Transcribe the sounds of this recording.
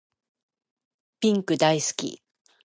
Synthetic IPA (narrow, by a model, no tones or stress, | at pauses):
pʲĩŋkɯ̟d̪aisɨ̥kʲḭ